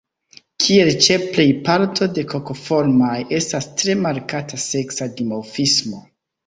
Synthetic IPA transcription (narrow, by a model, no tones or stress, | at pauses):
kʰie̞lt͡ʃe̞ple̞jpaɾtʰo̞de̞ko̞ko̞fo̞ɾmaje̞stastɾe̞maɾkatase̞ksadimowfismo̞